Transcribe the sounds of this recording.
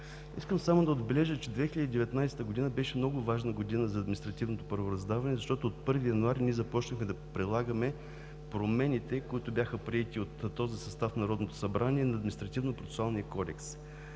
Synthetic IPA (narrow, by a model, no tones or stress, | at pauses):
ḭskəmsamod̪ɐod̪bɛlɛʒət͡ʃɛd̪vɛxilʲəd̪iːd̪ɛvɛt̪najsɛ̥t̪əɡʊd̪inəbɛʃɛmnɔɡʊvaʒnəɡod̪inəzɐːd̪minʲist̪ɾɐt̪ivnot̪opɐɾvoɾɐzd̪avɐnɛzɐʃt̪ɔt̪oːt̪̚pɤɾvijɐnuaɾiniɛzɐpɔt͡ʃnəxmɛd̪ɐpɾilˠaɡəmɛ | pɾomɛnʲit̪ɛkoit̪ʊbjaxəpɾiɛt̪iot̪ːɔzisɐst̪afnɐɾɔd̪not̪o̥sɐbɾaniɛnɐːd̪mʲinist̪ɾɐt̪ivnopɾot̪ɛ̥sʊalˠnijɐkɔd̪ɛks